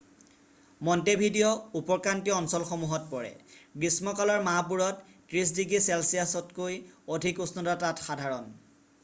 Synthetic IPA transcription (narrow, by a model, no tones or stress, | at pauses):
mɔntebʱidijɔupɔɹkantiɔɔnsɔlxɔmuɦɔt̚pɔɹɛ̰ɡɹismɔkalɔɹmaɦapuɹɔtːɹis̬diɡisɛlsijasɔtkojodʱikusnɔdatatxadʱaɹɔn